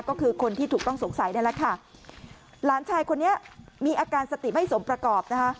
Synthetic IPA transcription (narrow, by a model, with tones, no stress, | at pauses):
kɔː˥˩kʰɯː˧kʰo˧nt̪ʰiː˥˩t̪u˨˩kt̪ɔ˥˩ŋso˩˦ŋsa˨˩˦jna˥˩lɛ˦˥kʰa˥˩ | laː˩˦nt͡ɕʰaː˧jkʰo˧nːi˦˥ɐmiː˧ʔaː˧kaː˧nsa˧t̪i˨˩ma˥˩jso˩˦mpɾa˧kɔː˨˩p̚na˦˥kʰa˦˥